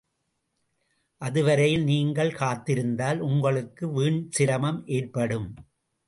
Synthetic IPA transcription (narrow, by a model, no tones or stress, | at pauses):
ʔɐðɯʋɐɾɐjɪlniːŋɡɐɭkaːt̪ːɪɾɯnd̪aːlʊŋɡɐɭɯkːɯʋiːɳt͡ʃɪɾɐmɐmʔeːrpɐɽɯm